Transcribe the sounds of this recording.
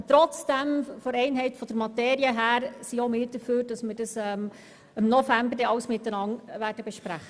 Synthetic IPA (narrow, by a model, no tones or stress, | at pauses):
t̪ɾɔt͡sd̥ɛmfɔɾɛɪnɦɛɪtfɔd̥əɾmɑteːɾiəɦæːɾsiomɪːɾd̥əɾføːɾd̥ɑsmɪɾd̥ɑsɛːm | ɪmnɔfæmbəɾdɛɑwsmɪtːənɑŋʋæːɾd̥əbɛʃpɾæχə